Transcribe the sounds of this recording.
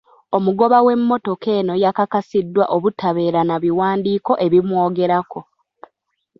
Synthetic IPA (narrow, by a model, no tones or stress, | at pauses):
o̞muɡo̞βawe̞mːo̞to̞ke̞ːno̞jakakasidːwaʔoβutʰaβe̞ːɾanaβiwaːndiːko̞ʔe̞βimwo̞ːɡe̞ɾako̞